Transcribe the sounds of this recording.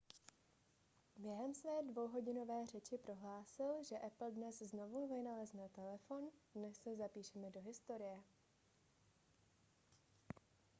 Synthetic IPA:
bjɛɦɛmsvɛːdvo̞wɦo̞ɟɪno̞vɛːr̝ɛt͡ʃɪpɾo̞ɦlaːsɪlʒɛʔɛpl̩dnɛszno̞vuvɪnalɛznɛt̪ɛlɛfo̞ndnɛsːɛzapiːʃɛmɛdo̞ɦɪst̪o̞ɾɪjɛ

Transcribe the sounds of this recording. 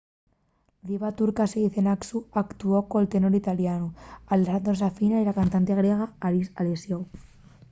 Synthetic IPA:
d̪iβat̪uɾkaseɣiθenaksuakt̪uokoelt̪enoɾit̪aljanualesand̪ɾos̬afinailakant̪ant̪eɣ̞ɾjeɣ̞aaisalesjow

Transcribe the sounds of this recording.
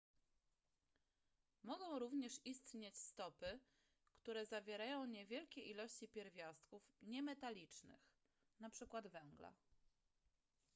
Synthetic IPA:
mɔɡɔ̃w̃ɾuvɲɛʂist̪ɲet͡ɕst̪ɔpɘ | kt̪uɾɛzavʲjɛɾajɔ̃w̃ɲɛvʲjɛlkʲɛʔilɔɕt͡ɕipʲjɛɾvʲjast̪kufɲɛmɛt̪alʲit͡ʂnɘ̰x | napʂɘkwad̪vɛŋɡla̰

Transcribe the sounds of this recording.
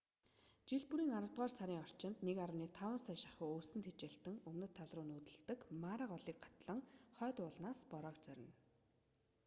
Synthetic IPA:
t͡ɕiɮpuɾiːŋaɾə̆wt̪̚ʁaːrsaɾʲiːŋɔr̥t͡ɕɪ̆nt̪nekaɾʊ̆niːt̪ʰawə̆nsœːʃḁχʊːoːsɘ̆nt̪ʰet͡ɕĕːɬt̪ɘ̆ŋɵmnɵ̆t̪ʰːaɮrʊːnuːt̪ɘ̆ɮt̪ə̆kmaːɾə̆ɢɔɮiːk̚ɢḁt̪ɮə̆ŋχœːt̪ʊːɮnaːspɔɾɔːkt͡sœɾʲɪ̆n

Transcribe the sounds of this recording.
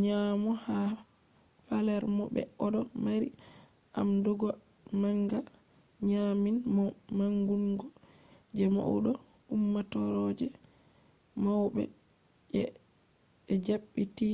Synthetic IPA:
ɲamɔha | falɛɾmɔbɛ̰ɔdɔmaɾi | ʔamdɔɡɔ | maŋɡa | ɲaminmaŋɡuŋɡɔ | d͡ʒɛma̰uɗɔ | umːatɔɾɔd͡ʒɛ | mawbɛ̰ | ɛ | d͡ʒaɓːiti

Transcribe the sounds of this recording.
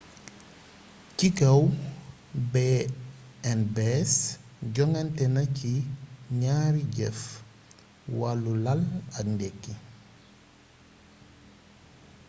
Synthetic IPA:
kikɐw | bɛ | ɛnbɛs | ɟɔŋantɛnɐciɲaːɾiɟɛ̰f | walːulalɐkndɛkːi

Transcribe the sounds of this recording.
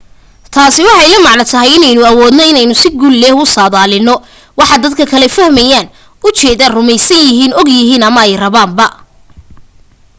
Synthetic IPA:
t̪ʰaːsɪwɑħɑjlɐmɑʕnɐt̪ʰɐɦɛjɪnɛjnʊɐwɔːd̪nɔɪnɛjnʊsɪɡulːɛːhʊsaːðaːlɪnːɔ | wɑħɑd̪ɐd̪kʰɐkʰɐlɛfɐhmɛjaːn | ʊt͡ʃɛːðaːrʊmɛjsɐnjɪɦiːnɔɡjɪɦiːnɐmɐɛjrɐβaːmbɐ

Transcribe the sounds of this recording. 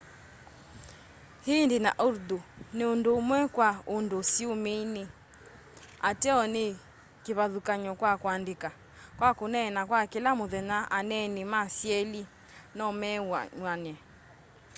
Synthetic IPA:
hindina̰ʔuɾduneondomwɛkwaondosiomene | atɛɔne | kiβaðukaɲɔkwakwandeka | kwakonɛnakwakelamoðɛnaʔanɛnimasiɛli | nɔmɛɲwanɛ

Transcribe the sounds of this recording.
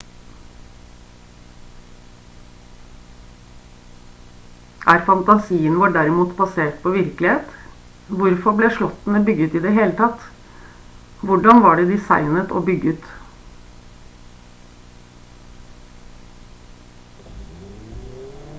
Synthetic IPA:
ʔæːɾfɑnt̪ɑsiːənʋɑːɖæɾɪmuːt̪bɑseːʈ̚pʰoːʋɪɾklɪheːt̪ | ʋʊɾfɔblɛːʂɭɔt̪n̩əbʏɡʉːt̪iːd̪ɛɦeːlət̪ʰɑt̪ | ʋʊɖɑnʋɑːɖɛd̪ɪsɑɪnət̪o̰ːbʏɡəʉːt̪

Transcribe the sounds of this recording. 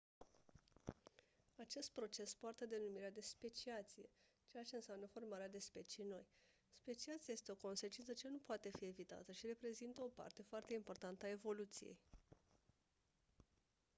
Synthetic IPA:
at͡ʃe̞st̪̚pɾo̞t͡ʃe̞spoart̪ed̪e̞numiɾead̪e̞spe̞t͡ʃiat̪sije̞̰ | t͡ʃe̞jat͡ʃe̞ɨnsjamnəfo̞rmaɾead̪e̞spe̞t͡ʃijno̞j | spe̞t͡ʃiat̪sijajest̪e̞o̞ko̞nse̞t͡ʃint̪sət͡ʃe̞nupoat̪e̞fie̞vit̪a̰t̪əʃiɾe̞pɾe̞zint̪əo̞pa̰rt̪e̞foart̪e̞impo̞rt̪ant̪əae̞vo̞lut̪sije̞̰j

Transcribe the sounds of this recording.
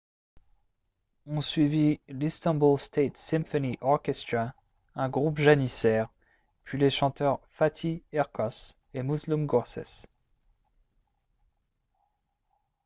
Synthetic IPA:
ɔ̃sɥivilist̪ɔ̃nbulst̪et̪sɛ̃fɔniʔɔʁkʲɛst̪χa | ɛ̃ɡʁupʒanisɛːʁ | pɥileʃɑ̃t̪œʁfat̪ʰiɛʁkɔs | emuzlumɡɔʁsɛ̰s

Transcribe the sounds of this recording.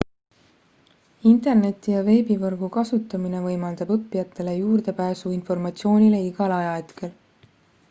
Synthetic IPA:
int̪e̞rne̞t̪ˑːijɑve̞ːbivɤrɡ̥ukɑsut̪ːˑɑmine̞vɤjmɑld̪̥ɑbɤpːˑijɑt̪ːe̞le̞juːrd̪̥e̞pæːsuinfo̞rmɑt̪sio̞ːnʲile̞iɡ̥ɑlɑjɑe̞t̪kʰe̞l

